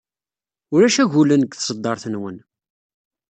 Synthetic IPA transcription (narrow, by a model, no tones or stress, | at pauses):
ʊɾæʃæʝulənəɡθsˤəd̪ˤːɑɾˤθənwən